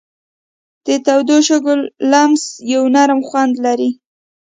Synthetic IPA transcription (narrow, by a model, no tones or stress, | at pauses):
d̪̥ət̪awd̪oʃʊɡʊlːamzjawnaɾmxwand̪laɾi